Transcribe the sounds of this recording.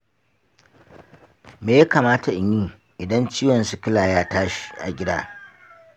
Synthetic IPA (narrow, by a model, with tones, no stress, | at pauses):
meː˨ja˦kaː˨maː˦ta˨ʔɪ˨ɲjiː˦ | ʔɪ˨dɐ˦nt͡ʃiː˦jwɔ˨nsu˨kʲɪ˦laː˨jaː˦taː˦ʃi̥˦˨ʔa̰˨ɡʲɪ˦daː˦